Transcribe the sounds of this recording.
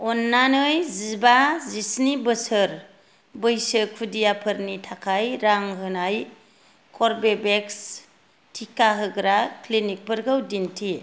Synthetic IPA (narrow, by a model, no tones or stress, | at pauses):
ɔnːanɯjzibazisnibɯsɯɾ | bɯjsɯkʰudijapʰɯɾnitʰakʰajɾaŋɦɯnaj | kʰɔɾbebeks | tʰikaɦɯɡɾaklinik̚pɯɾɡɯwdintʰi